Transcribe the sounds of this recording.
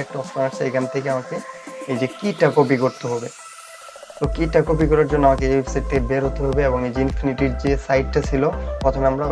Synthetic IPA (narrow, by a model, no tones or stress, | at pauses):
ek̚ʈuɔst̪anaɾsejɡant̪ʰekeamakeejd͡ʑekiʈakobikoɾt̪oɦɔbe | t̪okiʈakobikɔɾaɾd͡ʑonːoamakewepsajʈ̚t̪ʰːekebeɾɦot̪eɦɔbeeboŋejd͡ʑeinfʰiniʈiɾd͡ʑesajʈ̚ʈat͡ɕʰilopɾɔt̪ʰomeamɾa